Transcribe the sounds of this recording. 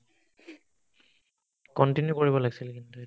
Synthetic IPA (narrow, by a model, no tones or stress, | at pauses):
kɔntinjukoɹiβɔlaɡisilkintu